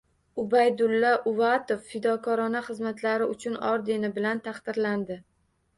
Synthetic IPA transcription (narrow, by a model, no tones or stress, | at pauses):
ʊbajd̪ʊlːaʔʊvat̪ofːɪd̪ɒkʰɒɾɒnaχɨzmat̪ʰlaɾɪʊt͡ʃʰʊnɒ̰ɾd̪e̞nɪbɪlant̪ʰaχd̪̥ɪɾland̪ɪ